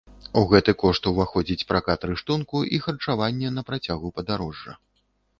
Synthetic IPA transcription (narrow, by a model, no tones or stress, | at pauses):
uɣɛt̪ɨkɔʂt̪wvaxɔd͡zʲit͡sʲpɾakat̪ɾɨʂt̪unkuʔixɐrt͡ʂavanʲːɛnɐpɾat͡sʲaɣupɐd̪aɾɔʐːɐ̰